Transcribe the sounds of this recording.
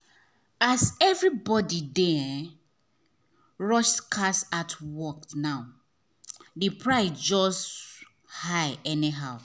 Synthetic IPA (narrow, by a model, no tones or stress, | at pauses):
asɛvɹibɔdidɛ | ɹɔʃskʰasatʰwɔknaʊ | dipʰɹaɪsd͡ʒɔs | haɪɛniɦaʊ